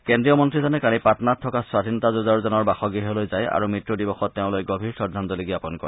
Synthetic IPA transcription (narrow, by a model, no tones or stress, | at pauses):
kendɹijɔmɔntɹizɔnɛkalipatɔnattʰːɔkaswadʱinɔtazuzaɹzɔnɔɹbaxɔɡiɦɔlojzaja̰ɹumitɹudibɔxɔtːeʊ̃lojɡɔbʱiɹsɔɹdʱanzɔliɡiapɔnkɔ̰ɹɛ